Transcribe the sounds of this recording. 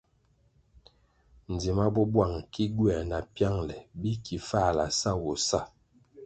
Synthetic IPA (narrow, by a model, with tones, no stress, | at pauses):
n̩˨di˨ma˦bɔ˦bwa˦˨ŋki˦ɡɥɛ˨na˨pja˦ŋlɛ˨bi˦ki˨fa˦˨la̰˨sa˦˨wɔ˨sa˦˨